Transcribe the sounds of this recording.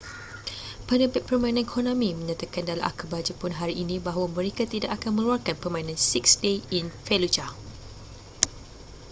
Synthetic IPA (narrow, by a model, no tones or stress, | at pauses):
panəpɛk̚pərmãnanikʰonõmĩmə̃ɲãt̪akandalamʔa̰kəbad͡ʒəpʊnɦaɾiʔːnĩbaɦawamə̃ɾekat̪idaʔakanmə̃luarkanpərmãinãnsiksdeinfelud͡ʒa